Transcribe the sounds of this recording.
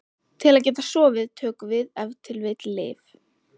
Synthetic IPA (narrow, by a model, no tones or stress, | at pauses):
t̪ʰɪlaðcɛːt̪asɔːvɪðt̪ʰœːkʏvɪðɛvt̪ʰɪlvɪt̪lḛːv